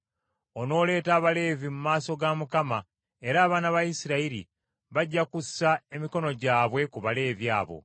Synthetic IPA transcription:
o̞no̞ːle̞ːtaːβale̞ːvimumaːso̞ɡamukama | e̞ɾaːβaːnaβajisiɾaiɾḭ | βaɟːakussːae̞miko̞no̞ɟaːβwe̞kuβale̞ːvja̰ːβo̞̰

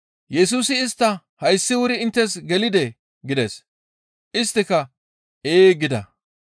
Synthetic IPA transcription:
jɛsuːsɪːst̪ːɐ | hɐjsːɪwʊɾɪɪnt̪ːɛs̬ɡɛlɪd̪ɛ | ɡɪd̪ɛs | ʔɪst̪ːɪkɐ | eːɡɪd̪ɐ̰

